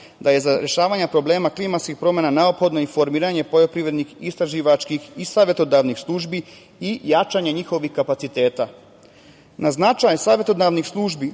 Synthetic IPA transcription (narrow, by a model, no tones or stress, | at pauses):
d̪aje̞zaɾeʃaːʋaɲapɾo̞ble̞ːmaklˠimat̪skixpɾo̞menane̞o̞pxo̞d̪no̞ifo̞ɾmiːɾaɲe̞po̞jo̞pɾiʋɾe̞d̪nixist̪ɾaʒiːʋat͡ʃkixisaːʋje̞t̪od̪aʋnixslˠuːʒbi | ijat͡ʃaɲeɲixo̞ʋixkapat̪sit̪e̞ːt̪a | naznat͡ʃajsaːʋʲje̞t̪o̞d̪naʋnixslˠuːʒbi